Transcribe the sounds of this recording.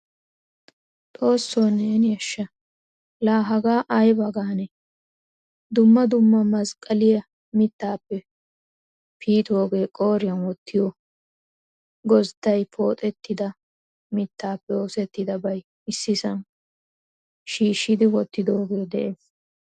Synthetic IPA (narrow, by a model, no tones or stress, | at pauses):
t̪ʼo̞ːsːoːneːnjɐʃːɐ | laːɦɐɡaːʔɐjbɐɡaːnɛ | d̪ʊmːɐd̪ʊmːɐmɐskʼɐlɪjɐ | mɪt̪ːaːpːɛ | pʰiːt̪o̞ːɡe̞ːkʼo̞ːɾɪjɐnwɔt̪ʰːɪjo | ɡɔst̪ːɐjpʰo̞ːt̪ʼɛt̪ːɪd̪ɐ | mɪt̪ːaːpːɛoːsɛt̪ːɪd̪ɐbɐj | ɪsːɪsɐn | ʃiːʃːɪd̪ɪwɔt̪ːɪd̪o̞ːɡe̞ːd̪ɛʔeːs